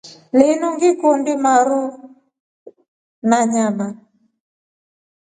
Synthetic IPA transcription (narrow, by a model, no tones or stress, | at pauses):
lɛnuŋɡikɔndimaɾu | naɲama